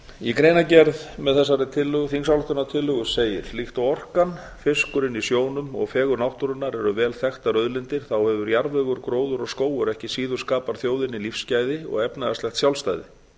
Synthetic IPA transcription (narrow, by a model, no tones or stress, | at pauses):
ikɾeːjnacɛɾðmɛðθɛs̬ːaɾɪt̪ʰɪlːʏɣθiŋsawlht̪ʏnat̪ʰɪlːʏɣʏseːjɪɾ̥flixt̪awɔr̥kan | fɪskʏɾɪnisjoːwnʏmɔ̰ɣfɛːɣʏɾnawht̪ʏɾʏnaɾɛɾʏvɛːlθɛxt̪aɾœðlɪnt̪ɪɾ̥θawhɛvʏɾjaɾvɛɣʏɾkɾoːwðʏɾɔɣskoːwʏɾɛhcɪsiːðʏɾ̥skaːpaɾ̥θjoːwðɪnilifscaːjðɪɔ̰ɣɛpnaðaslɛxt̪sjawlst̪ajðɪ̰